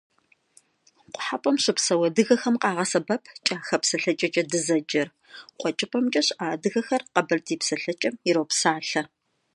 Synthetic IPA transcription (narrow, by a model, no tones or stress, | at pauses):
qʷʼʊħapʷʼɔmɕɪpsɐwɐdɨɣɐxɐmqɑːʁɐsɐbɐpʰt͡ʃʼaːxɐpsɐɬɐt͡ʃʼɐt͡ʃʼɐdɨzɐd͡ʒɐr | qʷʼɔt͡ʃʼɪpʰʼɐmt͡ʃʼɐɕʔaːdɨɣɐxɐrqɐbɐrdiːpsɐɬɐt͡ʃʼɐmɪɾowpsaːɬɐ